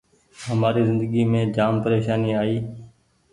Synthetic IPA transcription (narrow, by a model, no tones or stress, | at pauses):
ɦəmaːɾiːzɪ̃nd̪əɡiːmẽːd͡ʒaːmpəɾeːʃaːniːaːiː